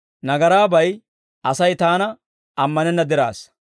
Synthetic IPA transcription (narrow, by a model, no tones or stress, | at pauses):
nɐɡɐɾaːbɐj | ʔɐsɐjt̪aːnɐ | ɐmːɐnɛnːɐd̪ɪɾa̰ːs